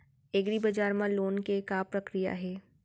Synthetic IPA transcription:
eːɡɾibɐd͡ʒaːɾmãloːnkekapɾɐkɾija̰ɦɛː

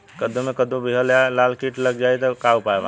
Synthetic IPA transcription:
kəd̪ũmekəd̪ũbiɦəlalalkiʈləɡd͡ʒajt̪ɔkaupaeba̰

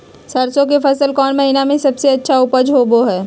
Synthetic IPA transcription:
sɐɾsõk̬efʰɐsəlkɔːnmɐɦiːnamẽsɐbseɐtːʃʰaʊpəd͡ʒɦoːboɦɛː

